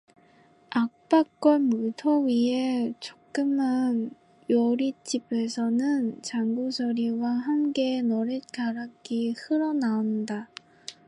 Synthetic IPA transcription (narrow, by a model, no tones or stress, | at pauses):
ak̚p͈ak̚k͈ʌnmutʰʌɥiet͡ɕokk͈ɯman | jʌɾit͡ɕ͈ibe̞sʰʌnɯnt͡ɕaŋɡusʰʌɾiwaɦamke̞nʌɾet̚kaɾak͈ihɯɾʌnaonda